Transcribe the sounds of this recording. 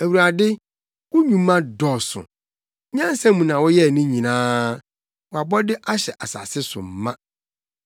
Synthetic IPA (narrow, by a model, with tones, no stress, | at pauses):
æ˨wu˨ɾa˨dɪ˦ | wʊ˦ɲũ˨˦mã˦dɔ˨sʊ̰˨˦ | ɲã˦n˦sɛ̃˦mũ˨nã˨wɔ˦jɛ˦˨nũ˦ɲĩ˨nãː˦ | wɔ˨a˨bɔ˦dɪ˦ʔa˦ɕɛ˨ʔa˨sa̰˨sɪ˦sʊ̰˨m̩˨mã˦